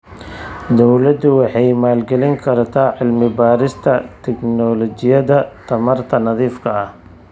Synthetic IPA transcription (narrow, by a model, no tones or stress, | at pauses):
d̪ɔwlɐd̪ʊwɑħɑjmaːlɡɛlɪŋkʰɐɾt̪ʰaːʕɪlmɪbaːɾɪst̪ʰɐt̪ʰɛknɔlɔt͡ʃɪjɐðɐt̪ʰɐmɐrt̪ʰɐnɐðiːfkʰɐɐh